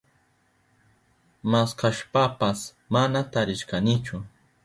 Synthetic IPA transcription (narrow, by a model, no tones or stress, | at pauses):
maskaʃpapas | manat̪aɾɪʃkanɪt͡ʃʊ